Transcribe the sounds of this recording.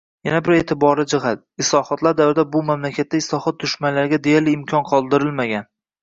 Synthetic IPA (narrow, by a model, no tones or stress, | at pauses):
janabɪɾe̞t̪ʰɪbɒɾɪd͡ʒɪɦat̪̚ | ɪslɒhɒt̪laɾd̪awvɾɪd̪abʊmamlakʲʰat̪ʰːaɪslˠɒhɒt̪̚d̪ʊʃmanlaɾɡʲad̪ejalɪːmkʲʰɒnqʰɒlˠd̪ɪɾɪlmaɡʲan